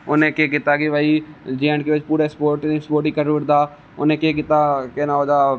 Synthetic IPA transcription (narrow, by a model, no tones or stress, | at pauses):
ʊnẽkeːkɪt̪akeʋəid͡ʒiəɳɖkeʋət͡ʃpuːɾespoːɾʈspoːɾʈikəɾuːɾd̪aː | ʊnẽkeːk̬ɪt̪akeːnaoːd̪aː